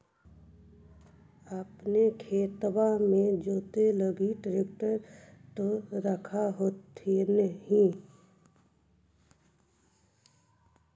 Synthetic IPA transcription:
əpnekʰeːt̪wamẽd͡ʒoːt̪eləɡiʈɾekʈəɾt̪oɾəkʰaɦoːt̪ʰenəɦĩ

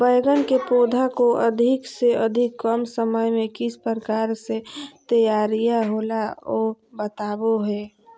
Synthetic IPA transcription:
bəjɡənkepoːd̪ʱakoʔəd̪ʱɪkseʔəd̪ʱɪkːəmsəməjmẽkɪspəɾəkaːɾset̪əjaːɾijaɦoːlaoːbət̪aːboɦɛː

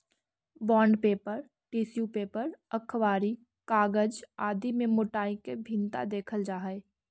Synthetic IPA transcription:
bɔːɳɖpeːpəɾ | ʈiːsjupeːpəɾəkʰʋaːɾi | kaːɡəd͡ʒaːd̪imẽmʊʈaːikebʱĩnt̪a̰d̪eːkʰəld͡ʒaːɦəe

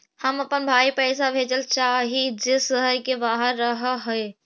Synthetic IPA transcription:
həməpənbʱaːipəɪsabʱeːd͡ʒəlt͡ʃaːɦid͡ʒesəɦəɾkebaːɦəɾːəɦɦəe

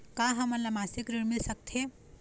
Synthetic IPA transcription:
kaɦəməɾlamasikɾiɾmilsək̚t̪ʰe

